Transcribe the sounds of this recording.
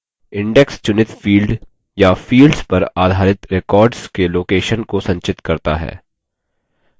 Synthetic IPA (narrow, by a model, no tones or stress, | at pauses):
ɪ̃ɳɖɛkst͡ʃʊnɪt̪fiːlɖ | jafiːlɖzpɐɾaːd̪ʱaːɾɪt̪ɾekɔːɾɖskeloːkeːʃənkosɐ̃ɲt͡ʃɪt̪kɐɾt̪a̰ɦɛ̰ː